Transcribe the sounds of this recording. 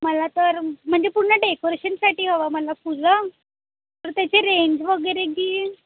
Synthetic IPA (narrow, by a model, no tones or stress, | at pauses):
məlat̪əɾm̤əɳd͡zepuɽɳəɖekoɾeɕənsaʈiːɦoʋaməlapulə | t̪əɾt̪jat͡ɕeɾeɲd͡ʑʋəɡəjɾekiː